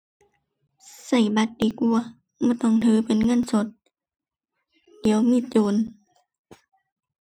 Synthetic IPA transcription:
sa˧˩jba˧˦t̪̚di˨˦k̚ʔu˧˩ɐ | bɔː˧˦t̪ɔ˧˩˨ŋt̪ʰɯː˨˦pe˨˦nŋɤ˧˥˨nso˨˧˦t̪̚ | di˨˦əwmiː˧˥˨t͡ɕoː˨n

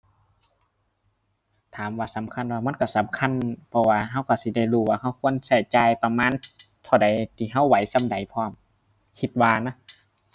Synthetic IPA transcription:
t̪ʰaː˨˦mwaː˧˩sa˨˦mkʰa˧˥˨nwaː˧ma˧˥˨nka˧˩sa˨˦mkʰa˧˥˨npʰɔ˧waː˧ɦa˧˥˨wka˧˩si˧˦da˧˩˨jluː˧˩waː˧˩ha˧˥˨wkʰu˧˥˨ə˨nsa˧˩jt͡ɕaː˧˩jpa˧maː˧˥˨n | t̪ʰa˧˩wda˨˦jt̪ʰiː˧˩ɦa˧˥˨wːa˨˦jsa˧˥˨mda˨˦jpʰɔː˧˩˨m | kʰi˧t̪̚waː˧na˧˥˨

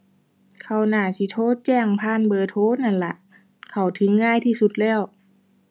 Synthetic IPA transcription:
kʰa˧˩wnaː˧˩si˧˦t̪ʰoː˧˥˨t͡ɕɛː˧˥˩ŋpʰaː˧˥˨nbɤː˧˩t̪ʰoː˧˥˨na˧˥˨nla̰˧ʔ | kʰa˨˩wt̪ʰɯ˧˦ŋːaː˧˥˨jt̪ʰiː˧˩˨su˧˦t̪̚lɛː˧˥˨w

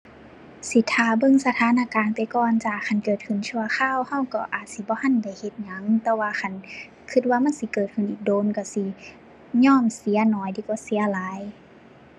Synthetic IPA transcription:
si˧˦t̪ʰːaː˧˩bɤ˧˨ŋsa˧t̪ʰaː˧˥˨naː˧˨kaː˨npa˨jkɔː˧˩nt͡ɕaː˨˩kʰa˧˩˨nkɤː˨˩t̪̚kʰɯ˧˩˨nt͡ɕʰu˧ɐ˧xʰaː˧˥˨wha˧˩wkɔ˧˩ʔaː˨˩t̪̚si˧˦bɔː˧˦ha˧˨nda˧˩˨jhe˧˦t̪̚ɲa˨˧˦ŋt̪ɛː˧waː˧xʰa˧˩˨n | kʰɯ˧t̪̚waː˧ma˧˥˨nsi˧˦kɤː˨˩t̪̚kʰɯ˧˩˨nʔiː˨˩k̚doː˧˨nka˧˩si˧˦ | ɲɔː˧˥˨msi˨˦ɐnɔː˨˩˨jd̪iː˧˩kɔː˧˩si˨˦ɐlaː˨˦j

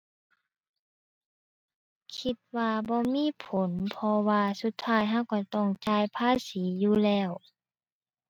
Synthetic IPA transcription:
kʰi˧t̪̚waː˧bɔː˧˦miː˧˥˨pʰo˨˦npʰɔ˧waː˧su˧˦t̪ʰːaː˧˥˩jɦa˧˥˨wka˧˩t̪ɔ˧˩ŋt͡ɕaː˧jpʰaː˧˥˨siː˨˦juː˧lɛː˧˥˩w

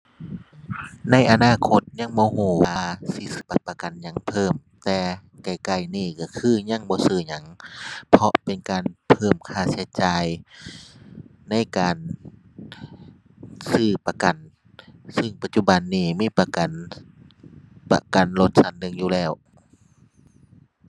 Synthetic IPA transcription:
na˧˥˨jʔa˧naː˧˨kʰo˧˦t̪̚ɲa˧˥˨ŋbɔː˧˦ɦuː˧˩waːaː˧si˧˦sɯː˧˩pa˧˩pa˧ka˨˩nɲa˧˥˨ŋpʰɤː˧˩˨m | t̪ɛː˧ | ka˨˩jka˧˩jniː˧˩ka˧˩kʰɯː˧˥˩ɲa˧˥˨ŋbɔː˧˦sɯː˧˩ɲa˧˦ŋpʰɔ˧ʔpe˨nkaː˨npʰɤː˧˩mkʰaː˧˩si˧˦t͡ɕaː˨j | na˧˥˨jkaː˨n | sɯː˧˩pa˧ka˨˩n | sɯ˧˩ŋpa˧t̪̚t͡ɕu˧˩ba˨nːiː˧˩miː˧˥˨pa˧ka˨n | pa̰˧ka˨˩nlo˧˦t̪̚sa˧˩ndɯ˧˥˨ŋjuː˧˨lɛː˧˩w

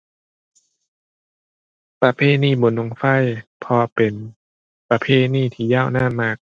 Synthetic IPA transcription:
pɾa˧pʰeː˥˨niː˧˥˩bo˨˦nlo˧˦ŋfa˧˥˩jpʰɔː˧pe˨n | pa˧pʰeː˧˥˩niː˧˥˩t̪ʰiː˧˩˨jaː˥˨wnaː˧˥˨nmaː˧˩k̚

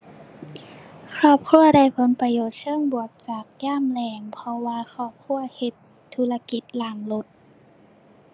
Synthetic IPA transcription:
kʰɾɔː˧˩p̚kʰu˧˨ɐda˧˩jpʰo˧˦npa˧joː˨˩t̪̚sʰɤː˧˥˨ŋbu˨˩ək̚t͡ɕaː˨˩k̚jaː˧˥˨mlɛː˧˩ŋpʰɔ˧waː˧xʰɔː˧˩p̚kʰu˧˥˨ɐhe˧t̪ʰːu˧˦la˧ki˧˦t̪̚laː˧˩ŋlo˧˦t̪̚

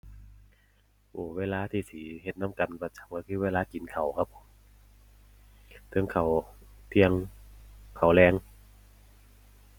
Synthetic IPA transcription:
ʔoː˧˩weː˧˥˨laː˧˨t̪ʰiː˧˩siː˨˦he˧˩t̪̚na˧˥˨mka˨˩npa˧˩t͡ɕa˨˩m̚kɔ˧˩kʰɯː˧weː˧˥laː˧˥ki˨˦nkʰa˨˩wkʰa˦˧˥pʰːo˨˦m | t̪ʰɯ˧˨ŋkʰa˨˩w | t̪ʰi˧ə˧ŋ | kʰa˨˩wlɛː˧ŋ

